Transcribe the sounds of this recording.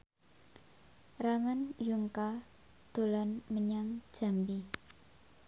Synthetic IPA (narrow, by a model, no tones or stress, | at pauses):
ramanjuŋka | d̪̥o̤lanməɲaŋd͡ʒʒ̥a̤mbi